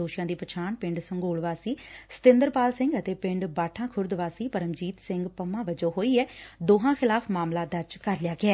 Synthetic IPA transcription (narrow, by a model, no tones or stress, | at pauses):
oːʃɪjãːd̪iːpət͡ʃʰaːnpɪ̃ɳɖsəŋɡoːlʋaːsiːsə̥t̪ɪ̃nd̪əɾpaːlsɪ̃ŋɡət̪eːpɪ̃ɳɖbaːʈʰãːkʰʊɾd̪ʋaːsiːpəɾəmd͡ʒiːt̪sɪŋɡpəmãːʋəd͡ʒoːɦoːiːɛːd̪oːɦãːxʰɪlaːpʰmaːmlaːd̪əɾd͡ʒkəɾlɪjaːɡɪɛː